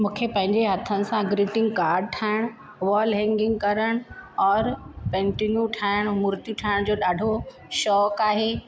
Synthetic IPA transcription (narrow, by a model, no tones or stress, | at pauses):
mũːkʰepɐ̃ɦɪ̃ɲd͡ʑeɦɐt̪ʰənɪ̆sãɡɾiːʈɪ̃ŋɡkaːɾɖ̚ʈʰaːɪɽ̃ | ʋɔːlɦɛ̃ŋɡɪ̃ŋɡkɐɾəɽ̃ɔːɾpɛ̃ːɳʈinjuʈʰaːɪɽ̃mʊɾt̪iʈʰaːɪɽ̃d͡ʑoːɗaːɖʱo | ʃɔːkaːɦeː